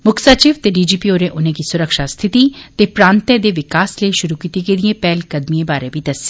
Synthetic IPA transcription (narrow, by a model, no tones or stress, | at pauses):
mʊkʰsaːt͡ʃiːʋt̪eɖiːd͡ʒiːpioːɾẽʔʊnẽkisʊɾəkʃast̪ʰɪt̪iːt̪epɾãːnt̪ɛd̪eʋɪkaːsleʃʊɾukiːt̪ikediẽpɛːlkɐd̪miẽbaːɾẽbʱid̪ɐse̥